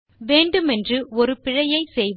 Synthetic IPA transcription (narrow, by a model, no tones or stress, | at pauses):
ʋeːɳɖɯmɛndrɯɔɾɯpɪɻɐjɐɪsɛjʋ